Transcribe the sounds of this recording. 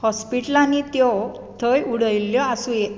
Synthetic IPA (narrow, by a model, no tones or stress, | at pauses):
hɔspiʈəlanit̪jɔ | t̪ʰəjuɽ̤əjljɔasũe